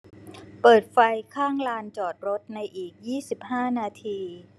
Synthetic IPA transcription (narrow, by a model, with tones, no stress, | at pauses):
pɤː˨˩t̪̚fa˧jkʰaː˥˩ŋlaː˧nt͡ɕɔː˨˩t̪̚ɾo˦˥t̪̚na˧jʔiː˨˩k̚jiː˥˩si˨˩p̚haː˥˩naː˧t̪ʰiː˧